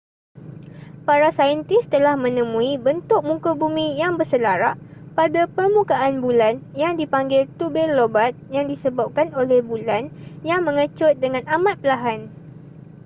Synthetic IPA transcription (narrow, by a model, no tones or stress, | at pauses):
paɾasaənt̪ɪst̪əlahmə̃nə̃mũibənt̪ʊk̚mũŋkobumĩjaŋbərsəlaɾaʔpadapərmũkaʔːnbulanjaŋdipaŋɡɪlt̪ubɛlːobat̪̚jaŋdisəbap̚kanolɛhbulanjaŋmə̃ŋət͡ʃʊt̪̚dəŋãnamãt̪̚pəlaɦan